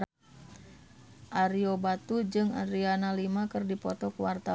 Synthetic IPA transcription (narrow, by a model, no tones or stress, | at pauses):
ʔaɾiobat̪ud͡ʒɨŋa̰ɾianalimakɨrdipɔt̪ɔkuwart̪a